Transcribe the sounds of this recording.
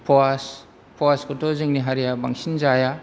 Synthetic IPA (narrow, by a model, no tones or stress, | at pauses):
pʰoas | pʰowaskutʰozɯŋniɦaɾijabaŋsinzaja